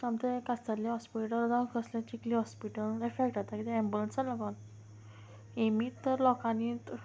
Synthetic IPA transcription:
sãmt̪ekast̪alaɦɔspiʈəld͡zãkəslẽt͡ɕikliɦɔspiʈəlefek̚ʈat̪akit̪ɛɛ̃mbulənsələɡɔn | emit̪ːəɾlɔkanit̪

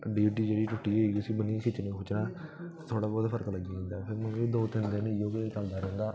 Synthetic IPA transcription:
ɖiːʈ̬iːd͡ʒeːɽiːʈʊʈːiːeiːʊsiːbənĩkʰɪt͡ʃːnĩːkʰʊt͡ʃnãːt̪ʰoːɽaːbɔːt̪pʰəɾəkləɡãĩːnd̪aːpʰɪɾmə̃niːd̪oːt̪ɪnd̪ẽneoːkekəld̪aːɾeːŋɡ̪aː

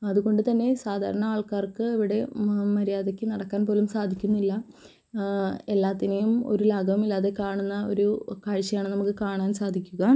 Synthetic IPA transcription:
ɐðuɣo̞ɳɖɨt̪ɐnːe̞saːd̪ʱa̰ːɾɐɳɐaːɭkaːrkɨiʋiɽe̞mɐɾijaːðekʲːɨnɐɽɐkːaːnpoːlumsaːd̪ʱikʲːunːilːɐ | e̞lːaːt̪ːinejumo̞̰ɾulaːɡɐʋumilːaːðe̞kaːɳunːɐo̞̰ɾukaːɻt͡ɕːɐjaːɳɨnɐmukːɨkaːɳaːnsaːd̪ʱikʲːuɣɐ

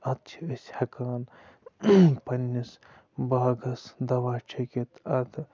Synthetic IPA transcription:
ɐt̪t͡ʃʰiəsʲhɐkaːn | pɐnːis | baːɡɐsd̪ɐʋaːt͡ʃʰɐkʲet̪ɐt̪ʰ

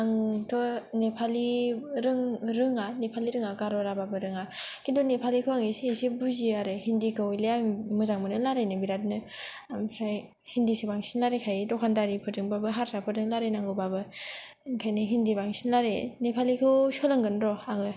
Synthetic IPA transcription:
aŋtʰɔnepʰaliɾɯŋɾɯŋanepʰaliɾɯŋaɡaɾɔɾababɯɾɯŋakʰindɔnepʰalikʰɯwaŋeseːsebuziaɾɯhindikʰɯwleamɯzaŋmɯnɯlaɾenɯbiɾatnɯamsaj | hindisebaŋsinlaɾekʰajdɔkʰandaɾipʰɯɾdɯŋbabɯɦaɾsapʰɯɾdɯŋlaɾenaŋɡɯwbabɯ | ŋkʰajnɯɦindibaŋsinlaɾenepʰalikʰɯwsɔlɯŋɡɯnɾɔaŋɯ

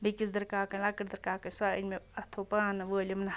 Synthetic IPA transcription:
bikisd̪ɐɾkaːkɐlakəɾd̪ɐɾkaːkɐsaːə̰nmeɐt̪ʰopaːnɐʋəːlʲɐmnɐ

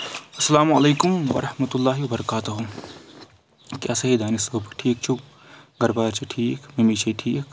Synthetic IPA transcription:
ɐsːɐlaːmɐleːkumʋɐ̰ɾɐhmɐt̪ulːaːɦiʋwɐbɐɾɐkaːt̪uɦu | kjaːsɐɦid̪ʱaːnisuːpʈʰiːk̚t͡ʃʰu | ɡɐɾbaːɾt͡ʃʰiʈʰiːkmemit͡ʃʰiʈʰiːk

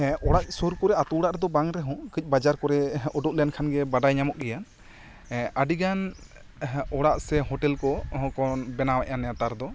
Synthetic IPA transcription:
ɔɽaʔ̚sɔɾkɔɾɛat̪uɽaʔɾɛd̪ɔbaŋɾɛɦɔ̃kɯc̚ˀbad͡ʒaɾkɔɾɛɔɖɔʔ̚lɛjankʰanɡɛbaɖajɲamɔʔ̚ɡɛja | aɖiɡan | ɔɽaʔsɛɦɔʈɛlkɔɦɔ̃kɔnbɛnawɛʔanɛjat̪aɾd̪ɔ

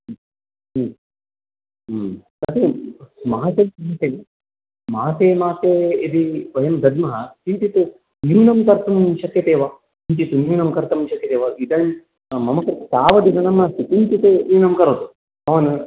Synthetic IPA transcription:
t̪ɐt̪emaɦseɐɦɐt̪eː | maːt̪eːmaːt̪eid̪iʋɐjɐmd̪ɐd̪mɐɦɐt͡ʃint̪it̪u | njuːnɐmkɐɾt̪ɐmʃɐk̪jɐt̪eːʋa | int̪it̪unuːnɐmkɐɾt̪ɐmʃɐk̪jɐt̪eːʋaid̪ɐjm | mɐmɐkɐɾsaːʋɐd̪id̪ɐnɐmːɐsit̪int̪it̪enuːnɐmkɐɾɐt̪u | ɐʋɐnɨ

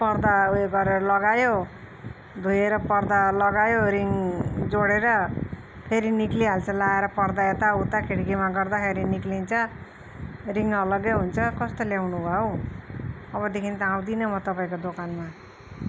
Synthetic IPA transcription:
pʌrd̪aɡʌɾeɾʌlʌɡajo | d̪ʱujeɾʌpʌrd̪alʌɡajoɾiŋd͡zoɽeɾʌ | pʰeɾinikliɦalt͡sʰʌlaeɾʌpʌrd̪aet̪aut̪akʰeʈɡimaɡʌrd̪apʰeɾiniklint͡sʰʌ | riŋʌlʌɡjeɦunt͡sʰʌkʌst̪oljawnubʱʌo | ʌβʌd̪ekʰint̪ʌaw̃d̪inʌmʌt̪ʌpaĩkod̪okanma

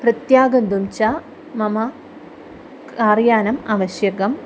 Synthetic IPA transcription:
prɐt̪jaːɡɐnd̪umt͡ɕa | mɐmɐ | kaːrjaːnɐmaːʋɐɕjɐɣɐm

